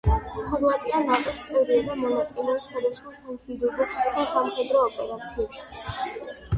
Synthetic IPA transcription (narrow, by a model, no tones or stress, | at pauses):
χɔɾvat̪ʼianat̪ʼɔst̪sʼɛvɾiad̪amɔnat̪sʼilɛɔpsχwad̪asχmasamχid̪ɔbɔd̪̥asamχɛd̪ɾɔːpʼɛɾat̪sʰiɛpʃi̥